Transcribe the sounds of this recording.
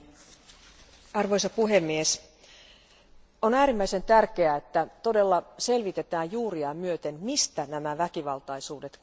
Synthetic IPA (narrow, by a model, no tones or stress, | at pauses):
ɑrʋo̞jsɑpuɦe̞mːies | onæːɾimːæise̞nt̪ærk̟eæet̪ːæt̪o̞de̞lːɑse̞lʋit̪e̞t̪æːjjuːɾiɑmyøt̪e̞nmist̪ænæmæʋækiʋɑlt̪ɑjsuːdet̪